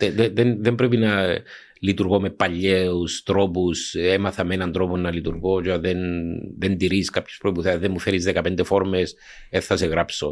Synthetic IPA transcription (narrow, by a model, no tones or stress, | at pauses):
ðeðeðenðembɾep̬inɐ | lit̪uɾɣo̞me̞pːɐʎːeust̪ɾo̞pusemɐθɐmenɐnt̪ɾo̞ponːɐlit̪uɾɣo̞t͡ʃoðenðend̪iɾiskapçespɾoipuθeɐzðemːufeɾizðekɐpend̪efo̞ɾmes | eθθɐseɣɾapso̞